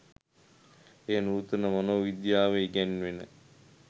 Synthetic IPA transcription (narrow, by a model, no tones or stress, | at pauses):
eːənuːt̪ənəmanoːʋid̪jaːʋeɡænʋenə̰